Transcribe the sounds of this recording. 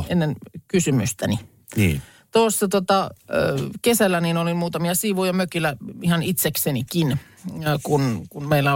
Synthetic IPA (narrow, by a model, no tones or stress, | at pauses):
enːenkysymyst̪æni | t̪oˑsːɑt̪uot̪ɑ | kesælːæniːnolimuːt̪ɑmiɑsiʋujɑmøkilˑæihɑnit̪seksenikin | kunkunmeilːæ